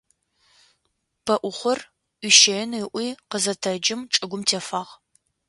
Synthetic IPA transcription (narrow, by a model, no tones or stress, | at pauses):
b̥ʰɐʔʷʊχʷʊr | iʃejniʔʷiːqəzɐtʰɐd͡ʒɪmʈ͡ʂʼɨɡʷʊmtʰeːfaːʁ